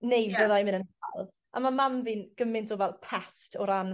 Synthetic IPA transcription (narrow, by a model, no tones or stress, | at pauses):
nejvəðajmɪnənalˠ | ʔa̰mamamviːnɡ̥əmɪntʰɔvɛlˠpʰɛstʰɔɾan